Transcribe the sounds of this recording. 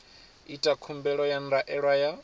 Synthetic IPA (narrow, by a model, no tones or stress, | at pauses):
itʼakʰumbɛɺɔjanɾaʔɛɺwaja